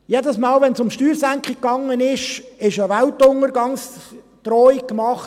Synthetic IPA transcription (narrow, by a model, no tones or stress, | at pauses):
jedəsmɑːlʋɛnsʊmʃtyːɾsæŋkχikːɑŋənɪʃɪʃəʋæltʊŋəɾɡɑns | t̪rɔk̚kːmɑχt